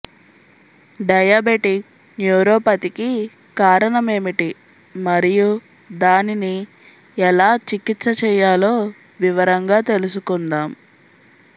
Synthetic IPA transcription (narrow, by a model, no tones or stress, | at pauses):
ɖɐjaːbeʈik̚ | njuːɾoːpɐt̪iki | kaːɾɐɳɐme̞ːmiʈi | mɐɾiju | d̪aːnini | ɛlaːt͡ʃikit̪sɐt͡ʃɛːjaːlo̞ː | ʋiʋɐɾɐŋɡaːt̪e̞lusukund̪aːm